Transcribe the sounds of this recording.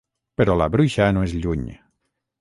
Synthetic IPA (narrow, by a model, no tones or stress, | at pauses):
pəɾɔlaβɾujʃanoezʎuɲ